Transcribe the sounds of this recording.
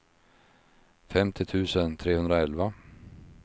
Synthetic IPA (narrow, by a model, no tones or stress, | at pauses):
fɛmt̪ʰɪt̪ʰʉ̟ːsənt̪ʰɾeːhɵnd̪ɾaɛlva